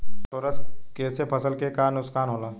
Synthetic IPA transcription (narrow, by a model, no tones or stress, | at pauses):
t͡ʃoːɾəskeːsepʰəsəlkekaːnʊskaːnɦoːlaː